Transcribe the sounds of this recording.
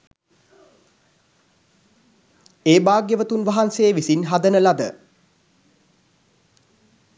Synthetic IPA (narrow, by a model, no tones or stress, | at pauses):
eːbaːɡjəʋət̪unʋaɦanseːʋisinɦad̪ənəlad̪ə